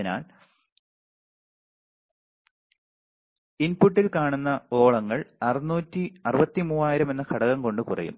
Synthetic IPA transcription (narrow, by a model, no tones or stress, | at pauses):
na̰ːl | inpuʈːilkaːɳunːɐo̞ːɭɐŋːɐɭɐrinuːtːiɐrɯbɐt̪ːimuːaːjiɾɐme̞nːɐkʰɐɽɐɣɐŋko̞ɳɖɨkurɐ̰jṵm